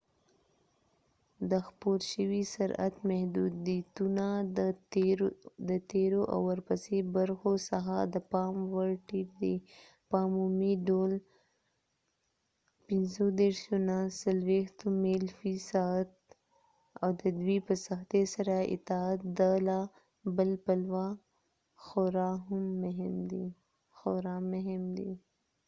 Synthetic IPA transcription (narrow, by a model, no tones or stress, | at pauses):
d̪əxpoɾʃəwisaɾa̰t̪mahd̪ud̪t̪una | d̪ət̪eɾoʔa̰wːəɾpasebaɾxosaxad̪əpɑmwaʈid̪e | pɑmumiɖol | pɪnzod̪eɾʃonasalwext̪omelfisat̪̚ | awd̪əd̪wipəsaxt̪esaɾaɪ̰t̪aat̪̚d̪ala | bəlpalwa | xoɾaɦʊmːʊɦɪmd̪i | xoɾamʊɦɪmd̪ḭ